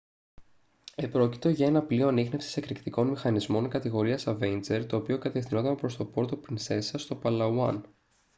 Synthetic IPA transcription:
e̞pɾo̞ci̥t̪o̞ʝɐe̞nɐplio̞ɐnixne̞fsi̥sekɾikt̪iko̞nmixɐnizmo̞nkɐt̪iɣo̞ɾiɐsɐvent͡se̞ɾt̪o̞ːpio̞kɐt̪e̞fθino̞t̪ɐnpɾo̞st̪o̞po̞ɾt̪opɾinse̞sɐst̪o̞pɐlɐuɐ̰n

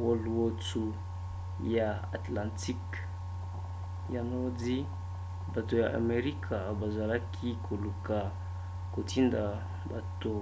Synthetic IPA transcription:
woluot͡su | ja | at̪lãnt̪ik | janodi | bat̪ojaʔa̰meɾikʰaabazaɾakʰikʰoluka | kot̪ind̪a | bat̪o

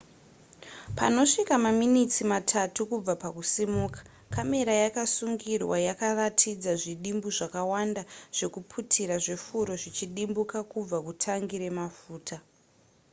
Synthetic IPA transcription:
pa̰no̞ʂikamaminit͡simatʰatukub͡vapakusimuːkḁ | kame̞ɾajakasuŋɡirwajakaratʰid͡zaʐiɗimbuʐakawandaʐ̥e̞kupʰutʰiɾaʐefuɾo̞ʐit͡ʃiɗimbukakub͡vakutʰaŋɡiɾe̞mafuːtʰa

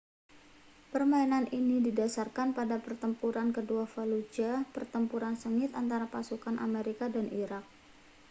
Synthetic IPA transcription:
pərmainaninididasarkanpadapərt̪əmpuɾankəduafalud͡ʒapərt̪əmpuɾansəŋɪt̪ant̪aɾapasukanʔa̰meɾikadanʔiɾak̚

